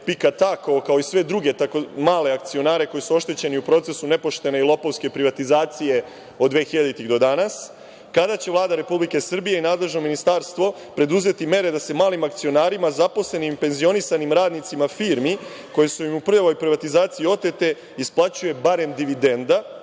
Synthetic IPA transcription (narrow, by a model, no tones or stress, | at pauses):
pikat̪akookaoisʋe̞d̪ɾuɡe̞t̪akomaːle̞ak̚t̪sio̞naːɾe̞ko̞jisuo̞ʃt̪e̞t͡ɕe̞niupɾo̞t̪se̞sune̞po̞ʃt̪e̞ne̞ilˠo̞poʋske̞pɾiʋat̪izaːt̪sije̞ | o̞d̪d̪ʋeːxiʎad̪it̪iɣd̪o̞d̪anas | kad̪at͡ɕe̞ʋvlˠaːd̪aɾe̞publike̞sr̩bijeinaːd̪le̞ʒno̞minist̪aːɾst̪ʋo̞ | pɾe̞d̪uze̞t̪ime̞ɾe̞d̪ase̞maːlimakt̪sio̞naːɾimazapo̞sle̞nimpe̞nzio̞nisanimɾaːd̪nit̪simafiːɾmi | ko̞jesuimupr̩ʎaʋo̞jpɾiʋat̪izaːt̪siio̞t̪e̞t̪e̞ | isplˠat͡ɕuje̞baɾe̞md̪iʋid̪e̞nd̪a